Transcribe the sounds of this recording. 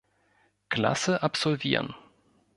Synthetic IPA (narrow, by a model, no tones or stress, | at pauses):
kla̰səʔapz̥ɔlviːʁən